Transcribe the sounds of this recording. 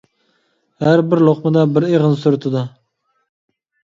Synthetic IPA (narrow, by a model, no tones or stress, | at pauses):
æɾbɪɾlˠoχmɨd̪ɑbɪɾeʁənsʊɾt̪ʰɪd̪ɑ